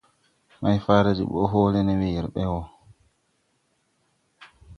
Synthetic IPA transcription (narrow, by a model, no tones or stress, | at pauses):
majfaːɾad͡ʒḭɓɔ̰ɦɔːlɛnɛwijiɾɓɛwɔ